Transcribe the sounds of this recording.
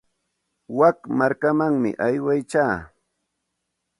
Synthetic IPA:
wakmaɾkamaŋmɪ̰ʔajwajt͡ʃaː

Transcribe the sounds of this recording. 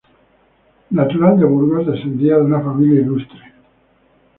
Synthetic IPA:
nat̪uland̪aβuɾɣosd̪esend̪iad̪unafamiljailust̪ɾe

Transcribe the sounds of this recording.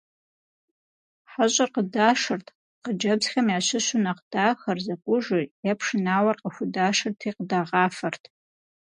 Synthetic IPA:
ħaɕʼɐrqədaːʂɐrtʰ | qəd͡ʒɐbzxɐmjaːɕɪɕʊnɐqd̥aːxɐrzɐkʷʼʊʒɨjapʰʂɨnaːwɐrqəxʷʊdaːʂɨrtʰiːqədaːʁɑːfɐrtʰ

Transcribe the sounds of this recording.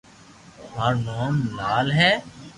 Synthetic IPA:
ɦaːɾnoːmlaːlɦɛː

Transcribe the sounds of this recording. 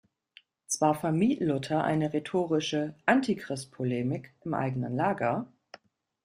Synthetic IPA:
t͡sv̥aːɐfɛɐmiːtlʊtʰɐʔa̰ɪnəʁetʰoːʁ̞ɪʃəʔantʰikʁ̥ɪstpʰɔleːmɪkʔɪmʔa̰ɪɡənə̰nlaːɡɐ

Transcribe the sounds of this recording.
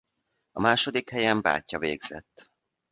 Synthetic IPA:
ɒmaːʃo̞d̪ikhɛjɛmba̰ːcːɒvḛːɡz̥ɛ̰t̪ː

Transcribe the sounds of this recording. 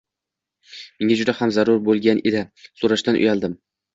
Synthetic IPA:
meŋad͡ʒʊd̪ahamzaɾʊɾbolˠɡʲanʔed̪ɪsoɾaʃt̪anʔʊ̰jalˠd̪ɪm

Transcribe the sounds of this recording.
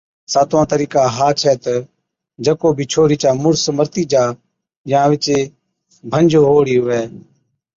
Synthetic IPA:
saːt̪ʋãːt̪əɾiːkaːɦaːt͡ʃʰɛːt̪ə | d͡ʒəkoːbʱiːt͡ʃʰoːɾiːt͡ʃaːmʊɾsəməɾt̪iːd͡ʒaː | jãːʋɪt͡ʃeː | bʱənd͡ʒʱoɦoːɽiːɦʊʋɛː

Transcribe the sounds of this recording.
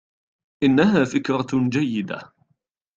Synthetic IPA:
ʔɪnːaɦaːfɪkɾɑd͡ʒajːɪd̪a̰

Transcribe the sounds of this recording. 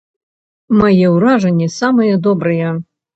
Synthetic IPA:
majɛwɾaʐɐnʲːɛsamɨjɐd̪ɔbɾɨjɛ

